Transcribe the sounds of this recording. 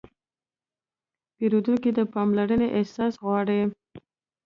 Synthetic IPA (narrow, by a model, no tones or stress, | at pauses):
peɾud̪unkid̪əpɑmlaɾəneʔehsɑsɣwɑɽe